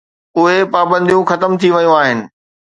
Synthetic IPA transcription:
ʊɦepaːbə̃nd̪ijũxɐt̪əmt̪ʰiʋɐjõaːɦɪnɪ̆

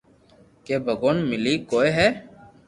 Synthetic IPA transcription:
keːbʱəɡoːnmɪliːkoːeːɦɛː

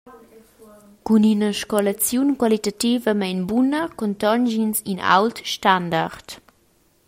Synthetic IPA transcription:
kuninəʃkɔlat͡sjunkwalit̪ativəmainbunəkɔnt̪ɔnʒinsina̰wltʃtandart̪

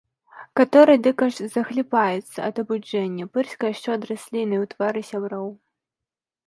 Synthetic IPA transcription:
kat̪ɔɾɨd̪ɨkɐʂzɐxlʲipajɛt̪sːɐɐd̪ɐbud͡ʐɛnʲːɐpɨrsʲkɐjaʂt͡ʂɛɐd̪ɾasʲlʲinɨjwt̪vaɾɨsʲabɾɔw

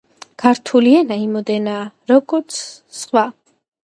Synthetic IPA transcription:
kʰaɾt̪ʰuliɛnaimɔd̪ɛnaːɾɔɡɔɾt̪sʰ | sχwa

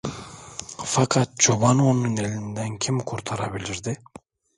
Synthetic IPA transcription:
fɑkʰɑt̪̚d͡ʒoβɑnununelʲind̪æŋkʰʲimkʰoɾt̪ʰɑɾɑbiliɾd̪ɪ

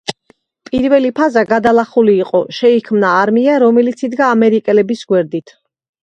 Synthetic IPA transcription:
pʼiɾvɛlipʰazaɡad̪alˠaχuliːqʼɔʃɛikʰmnaːɾmiaɾɔmɛlit̪sʰid̪ɡaːmɛɾikʼɛlɛbisɡwɛɾd̪it̪ʰ

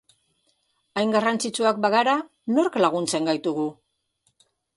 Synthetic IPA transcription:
ajŋɡarant͡sit͡ʃuak̚baɣaɾa | no̞ɾklaɣ̞unt͡se̞ŋɡajt̪uɣu

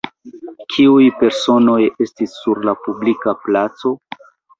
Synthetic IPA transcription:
kʰiujpe̞ɾso̞no̞je̞stisːuɾlapublikaplat͡so̞

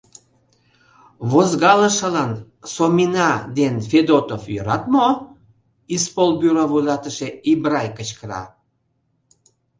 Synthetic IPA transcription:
βozɣɑlə̆ʃə̆lɑn | somʲinɑd̪enfed̪ot̪ofjøɾɑt̪mo | ispolbyɾɑβujlɑt̪əʃeibrɑjkət͡ɕkəɾɑ̰

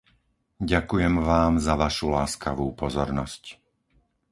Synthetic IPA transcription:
ɟakujɛmʋaːmzaʋaʃulaːskaʋuːpɔzɔɾnɔsc

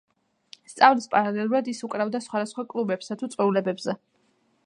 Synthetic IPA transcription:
st̪sʼavlispʼaɾalɛlˠuɾad̪isukʼɾavd̪asχwad̪asχwakʼlˠubɛpsat̪ʰut̪sʼwɛulɛbɛbzɛ

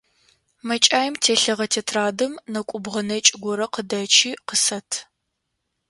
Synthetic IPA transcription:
mɐt͡ʃʼaːjmtʰeːɬɨʁɐtʰeːtʰraːdɨmnɐkʷʼʊbʁɐnɐt͡ʃʼɪɡʷɔɾɐqədɐt͡ʃʰiːqəsɐtʰ

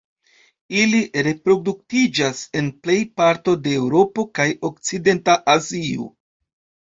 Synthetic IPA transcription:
iliɾe̞pɾo̞duk̚tid͡ʒase̞nple̞jpaɾto̞de̞ːwɾo̞po̞kajo̞k̚t͡side̞ntaʔazio̰

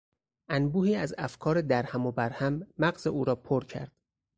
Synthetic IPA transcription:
ʔænbuːhiːæzæfkʰɒːɾe̞d̪æɾhæmo̞bæɾhæmːæɢz̥euːɾɒːpʰoɾcʰæ̰ɾd̪̥

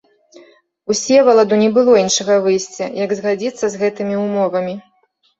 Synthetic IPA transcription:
usʲɛvɐlˠad̪unʲɛbɨlˠɔinʂɐɣɐvɨjsʲt͡sʲɐ̰jɐɡzɣad͡zʲit̪sːɐzɣɛt̪ɨmʲiumɔvɐmʲi

